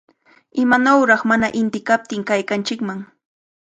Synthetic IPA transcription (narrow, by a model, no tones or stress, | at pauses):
ɪmanawɾɑχmanaʔɪnt̪ɪkap̚t̪ɪŋkajkant͡ʃɪkmaŋ